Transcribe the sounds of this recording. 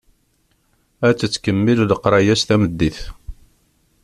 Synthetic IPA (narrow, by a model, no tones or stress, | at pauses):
æt͡sːət͡sːkəmːilləqɾˤɑjæst̪æməd̪ːiθ